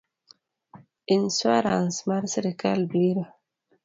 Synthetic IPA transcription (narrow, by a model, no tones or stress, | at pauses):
inswaɾa̰nsmaɾsɾeka̰lbliɾa